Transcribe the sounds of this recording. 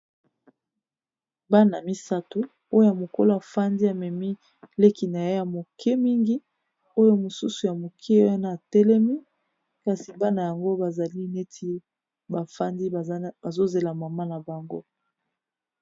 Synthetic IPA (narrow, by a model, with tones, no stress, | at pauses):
ba˦na˨mi˦sa˦to˦ | o˦o˦ja˨mo˨ko˦lo˦a˨fa˦ndi˦a˨mɛ˨mi˦ | le˦ki˨na˨je˦ja˨mo˨kʰɛ˦mi˦ŋɡi˦ | o˦jo˦mo˨su˦su˨ja˨mo˨kʰɛ˦a˦naː˦˨tɛ˦lɛ˦mi˦ | ka˨si˨ba˦na˨ja˨ŋɡo˦ba˨za˨li˦ne˦tʰi˦ | ba˨fndi˦ba˨zo˦ze˨la˨ma˨ma˦na˨ba˨ŋɡo̰˦